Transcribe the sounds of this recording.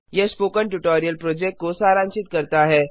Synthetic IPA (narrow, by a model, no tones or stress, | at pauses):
jespoːkəɳʈuʈoːɾijəlpɾoːd͡ʒɛk̚ʈ̚kosaːɾãːnʃɪt̪kɐɾt̪aɦɛː